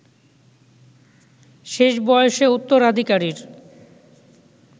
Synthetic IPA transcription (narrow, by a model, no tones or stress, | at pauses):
ʃeʃbɔjoʃeut̪ːoɾad̪ʱikaɾiɾ